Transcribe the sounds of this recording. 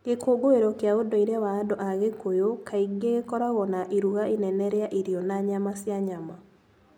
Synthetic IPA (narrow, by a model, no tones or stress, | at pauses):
ɡekoɡoeɾɔkjaodɔiɾawaːdɔʔaɣekojokʰaiɡeɣekɔɾaɣɔnaʔiɾuɣainɛnɛɾeaʔiɾjɔnaɲamasjaɲama